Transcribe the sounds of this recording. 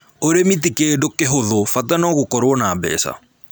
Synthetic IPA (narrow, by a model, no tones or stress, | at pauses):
oɾemitikedokeɦoðofatanɔɣokɔɾwɔnaːbɛ̰ːsa̰